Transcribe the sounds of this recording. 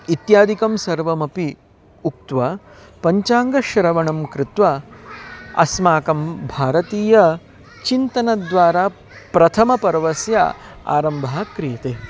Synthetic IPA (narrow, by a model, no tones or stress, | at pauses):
it̪jaːd̪ʱikɐmsɐɾʋɐmɐpi | uk̚t̪ʋa | pɐɲt͡ʃaːŋɡɐʃɐɾɐʋɐɳɐmkɾɪt̪ʋɐ | ɐ̰smaːkɐmbʱaːɾɐt̪iːjɐ | t͡ʃint̪ɐnɐd̪ʋaːɾaː | pɾɐt̪ʰɐmɐpɐɾʋɐsja̰a̰ːɾɐmbʱaːkɾijɐt̪eː